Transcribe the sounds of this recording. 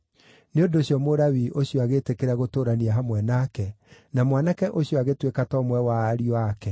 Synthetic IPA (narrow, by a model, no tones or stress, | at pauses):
neondoɕjɔmoɾawiʔoɕjɔaɣetekeɾaɣotoɾaniaɦamwɛnakɛ | namwanakɛʔoɕjɔaɣetwekatɔmwɛwaːɾiakɛ